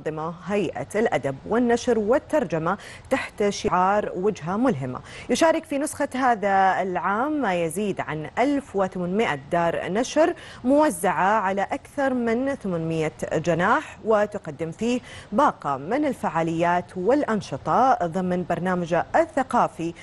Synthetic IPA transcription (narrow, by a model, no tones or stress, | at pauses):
ðˤːɨmaɦajʔa̰lʔad̪abwɪnːaʃɾwɪt̪ːɑɾˤd͡ʒama | t̪aħt̪ʃɪʕɑːɾˤwad͡ʒɦamʊlɦɪma̰jʊʃaːɾˤɪkfinʊsxaɦaːðaɪlʕaːmːajaziːd̪ʕa̰nʔalfwɪθamanmɪʔa̰d̪ɑːɾˤnaʃɾ | mʊwazːaʕaʕalaʔakθɑɾˤmɪnθamanmɪjːad͡ʒɪnaːħwɪt̪ʊqad̪ːɪmfiːhbɑːqɑmɪnɪlfaʕaːlɪjːaːt̪wɪlʔɑnʃɨt̪ˤɑðˤɨmnbɑɾˤnaːmad͡ʒaθːaqɑːfi